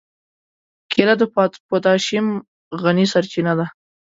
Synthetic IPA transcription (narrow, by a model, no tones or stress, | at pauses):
kʰelad̪əpɑpot̪ɑʃim | ɣanisaɾt͡ʃinad̪a